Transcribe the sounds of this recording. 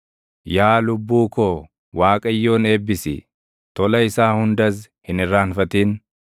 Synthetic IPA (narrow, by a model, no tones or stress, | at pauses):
jaːlʊbːuːkoː | waːkʼɐjːo̞ːne̞ːbːɪsɪ̰ | t̪ɔlɐɪsaːhʊnd̪ɐs | hɪnɪrːaːnfɐt̪iːn